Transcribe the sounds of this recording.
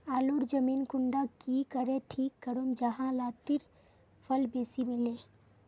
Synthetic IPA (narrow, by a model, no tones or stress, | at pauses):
aːloːɾd͡ʒɐmiːnkʊɳɖakikəɾẽʈʰiːkːəɾomd͡ʒɐɦãlaːt̪ɪɾ | pʰɐlbeːsimɪleː